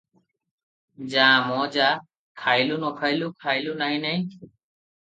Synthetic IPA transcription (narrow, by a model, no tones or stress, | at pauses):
d͡ʑãmɔd͡ʑa | kʰajlunɔkʰajlukʰajlunajnaj